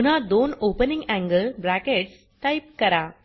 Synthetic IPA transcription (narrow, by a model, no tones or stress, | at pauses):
ʊnaːd̪oːnoːpənɪ̃ŋɡæŋɡɐlbɾaːkeʈs | ʈɐɪp̚kɐɾaː